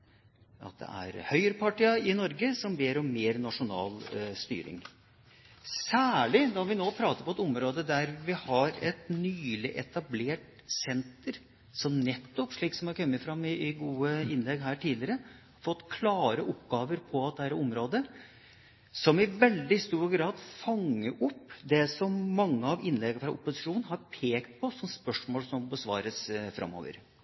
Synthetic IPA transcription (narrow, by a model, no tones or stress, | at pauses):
ʔɑ̰t̪̚d̪ɛ̰ʔæ̰ɾhœʏəɾpʰɑʈiːəɪnɔɾɡəsɔmbeːɾɔmːeːɾnɑʂʊnɑ̰ːlst̪y̰ːɾɪ̰ŋ | sæːɭɪd̪ɑʋɪnoːpʰɾɑːt̪əɾpʰɔɛt̪ɔmɾoːd̪əd̪æɾʋɪhɑɾɛt̪nyːlɪʔɛt̪ɑbleːʈ | sɛnt̪əɾ | sɔmnɛt̪ːɔpʂɭiːksɔmhɑɾkʰœmːəfɾɑmːɪɪɡuːəɪnlɛɡɦæːʈʰiːd̪lɪəɾə | fɔt̪ːkʰlɑːɾəʔɔpɡɑːʋəɾpʰɔɑt̪̚d̪ɛhæːɾɔmɾoːd̪ə | sɔmɪʋɛld̪ɪst̪uːɾɡɾɑːd̪fɑŋːəʔɔpːd̪ɛsɔmːɑŋːəɑʋɪnːlɛɡəfɾɑ̰ʔʊ̰pːʊsɪ̥ʂuːnɦɑɾpʰeːkt̪̚pʰɔsɔmspœʂmoːlsɔmbəsʋɑ̰ːɾəsfɾɑ̰mːo̰ːʋə̰ɾ